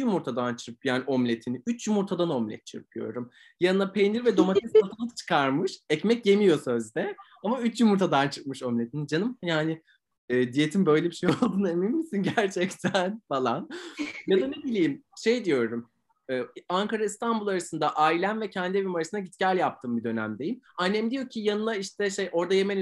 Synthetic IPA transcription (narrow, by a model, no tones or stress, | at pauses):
jumuɾt̪ʰad̪ant͡ʃʰɯp̚jaːnio̞mlʲe̞t̪ʰiniyt͡ʃjumuɾt̪ʰad̪ano̞mlʲɛ̰t̪̚t͡ʃʰɯp̚d̪ijo̞̰ɾɾum | janɯnapʰejniɾvɛd̪o̞mat̪ʰisat̪ʰanat͡ʃʰɯ̥kʰaɾmɯʃɛcmɛc̚je̞mijo̞sø̞zd̪ɛ | amayt͡ʃjumuɾt̪ʰad̪ant͡ʃʰɯk̚mɯʃo̞mlʲe̞t̪ʰinid͡ʒanɯmjaːnɪ | ɛːd̪ije̞t̪ʰimbø̞jlʲɛbiʃejolˠd̪ɯːneminmisinɟæɾt͡ʃʰɛct̪ʰænfalˠanjad̪anebilʲijimʃe̞jd̪ijo̞ɾɾum | ɛːaŋkaɾaist̪ʰanbulˠaɾasɯnd̪aʔajlʲænvɛcʰɛnd̪ievimaɾasɯnaɟit̪cæɾʲjap̚t̪ʰɯːmbid̪ø̞næ̰md̪e̞jimanːɛmd̪ijo̞cʰijanɯnˠaiʃt̪ʰɛʃejʔo̞ɾd̪aje̞men